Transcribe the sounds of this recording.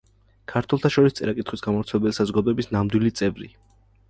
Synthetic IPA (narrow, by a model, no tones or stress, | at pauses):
kʰaɾt̪ʰwɛlˠt̪ʰaʃɔɾist̪sʼɛɾakʼit̪χwisɡamɔɾt̪sʰɛlɛbɛlisazɔɡad̪ɔɛbisnamd̪wilit̪sʼɛvɾḭ